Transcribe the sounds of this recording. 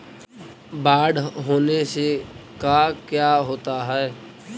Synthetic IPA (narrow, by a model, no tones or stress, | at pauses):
baːɖɦoːnesekakjaːɦoːt̪aɦɛɛ